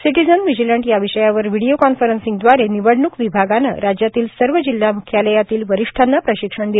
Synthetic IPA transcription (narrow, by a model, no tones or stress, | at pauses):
siʈid͡zənʋid͡ʑiləɳʈjaʋiɕəjaʋəɾʋiɽijokɔnfəɾənsiŋɡd̪ʋaɾeniʋəɽɳukʋibʱaɡanə̰ɾad͡ʑjat̪iːlsəɾʋəd͡ʑilːamukʰjaləjat̪iːlʋəɾiʂʈʰanːapɾəɕikʂəɳd̪e